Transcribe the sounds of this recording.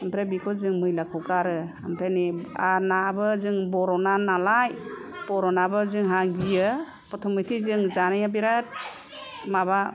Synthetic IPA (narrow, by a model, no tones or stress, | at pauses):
ampʰɾebikʰɔzɯŋmɯjlakʰɔwkaɾɯampʰɾenianabɯzɯŋbɔɾɔnanalajb̥ɔɾɔnabɯzɯŋɦaɡijɯ | pɔtʰɔmitʰizɯŋzanajabiɾat̚ | maβa